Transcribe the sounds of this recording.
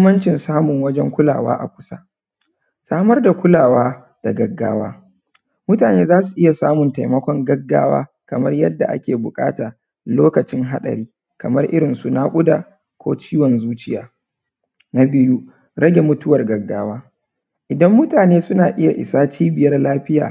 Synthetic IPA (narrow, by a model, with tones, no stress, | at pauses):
mːɐ˦nt͡ʃɪ˨nsaː˦mʊ˨ŋwɐ˦d͡ʒɛ˦ŋkʷʊ˦la̰ː˨wa̰ː˦ʔa̰˨kʷʊ̥˦sa̰˦ | saː˦mɐ˦rda˨kʷʊ˦laː˨waː˦ | d̥a˨ɡɐ˨ɡːa̰ː˦wa̰ː˦ | mʊ˦taː˨neː˦zaː˦su˨ʔɪ˦ja˨saː˦mʊ˨nta˨jmɐ˦kʷɔ˦ŋɡɐ˦ɡːa̰ː˦wa̰ː˦ | kɐ˨mɐ˦rjɐ˦dːa̰˨ʔa̰˦kʲeː˨bʊ˨kʼa̰ː˦taː˨ | loː˦kɐ˨t͡ʃɪ˦ŋɦa˦ɗɐ̰˨ɾiː˦ | kɐ˨mɐ˦rʔɪ̰˦ɾɪ˨nsu˦naː˦kʷʼʊ˦daː˨ | kʷo̰ː˦t͡ʃiː˦wɔ˨nzuː˦t͡ʃɪ˦jaː˨ | na˦bɪ˦ju˦ | ɽɐ˦ɡʲe˨mʊ˦tʊ˦wɐ˨rɡɐ˨ɡːaː˦waː˦ | ʔɪ˨dɐ˦mːʊ˦taː˨neː˦sʊ˦naː˨ʔɪ˦ja˨ʔɪ̰˨saː˦t͡ʃiː˦bɪ˨jɐ˦rlaː˦ɸɪ˦ja̰ː˨